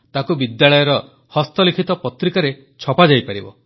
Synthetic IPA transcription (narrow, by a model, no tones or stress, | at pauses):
t̪akubid̪jaɭɔjɔɾɔ | hɔst̪ɔlikʰit̪ɔpɔt̪ɾikaɾe | t͡ʃʰɔpad͡ʒajpaɾibɔ̰